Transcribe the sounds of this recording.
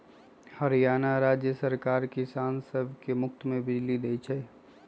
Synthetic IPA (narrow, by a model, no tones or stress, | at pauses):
həɾijaːnaɾaːd͡ʒjəsəɾkaːɾkisaːnsəbʱkemʊk̚t̪mẽbɪd͡ʒlid̪et͡ʃʰɛ